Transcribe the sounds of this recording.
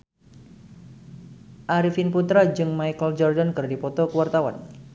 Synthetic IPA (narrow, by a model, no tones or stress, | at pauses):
ʔaɾifinput̪ɾad͡ʒɨŋmajkəld͡ʒɔrdankɨrdipɔt̪ɔkəwart̪awa̰n